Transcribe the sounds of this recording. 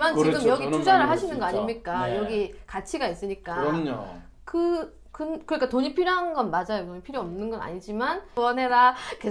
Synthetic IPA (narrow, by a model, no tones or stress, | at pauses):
mant͡ɕiɡɯmjʌɡitʰud͡ʑaɾɯɭɦaɕʰinɯnɡʌaɲimɲik͈ajʌɡikat͡ɕʰiɡais͈ɯɲik͈aɲo̰ | kɯ | kɯnkɯɾik͈atoɲipʰiɾjoɦanɡʌnmad͡ʑajotoɲipʰiɾjoʌmnɯnɡʌna̰ɲid͡ʑimanwʌnɦe̞ɾake